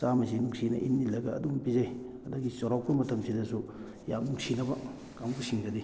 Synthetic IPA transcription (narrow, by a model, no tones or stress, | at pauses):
samɐsinuŋsinɐ̰ʔḭnːilɐɡɐ̰ːdumpizajɐdɐɡisoɾaw̚pɐmɐtʰɐmsidɐsu | jamnuŋsinɐbɐ | kamɡusiŋɡɐdi